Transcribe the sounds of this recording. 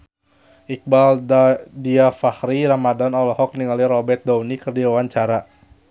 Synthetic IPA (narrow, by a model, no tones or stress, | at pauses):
ʔik̚baldiafahɾiɾamadanɔlɔhɔk̚niŋaliɾɔbɛt̪̚daunikərdiwawaɲt͡ʃaɾa